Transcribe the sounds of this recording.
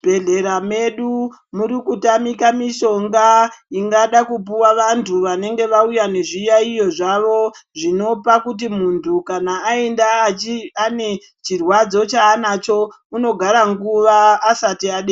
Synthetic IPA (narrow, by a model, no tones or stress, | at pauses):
b̥ʱe̞ɮe̞ɾame̞ɗu | muɾikutamikamiʃo̞ŋɡaiŋɡaɗakup̬uwaʋantʰuʋane̞ŋɡe̞ʋaujane̞ʐijaijo̞ʐaʋo̞ʐino̞pakut̬imuntʰukanaːendaane̞ | t͡ʃirwad͡zo̞t͡ʃaːnat͡ʃo̞ | uno̞ɡʱaɾaŋɡuʋaːsatiaɗe